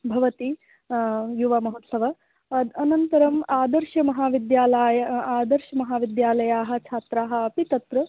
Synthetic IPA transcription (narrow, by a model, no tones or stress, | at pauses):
bʱɐʋɐt̪i | juʋɐmɐɦot̪sɐʋɐ | ɐd̪ɐnɐnt̪ɐɾɐmaːd̪ɐɾʃɐmɐɦaːʋid̪jaːlaːjɐaːd̪ɐɾʃɐmɐɦaːʋid̪jaːlɐjaːɦɐ̆t͡ʃʰaːt̪ɾaːɦɐ̆ɐpit̪ɐt̪ɾɐ